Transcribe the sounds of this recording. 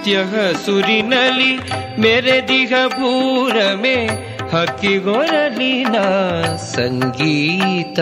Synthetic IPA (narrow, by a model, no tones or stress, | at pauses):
t̪jɐɦɐsuɾinɐli | meːɾed̪iɦɐbʱuːɾɐme | hɐkːiɡoɾɐlinasɐŋɡiːt̪ɐ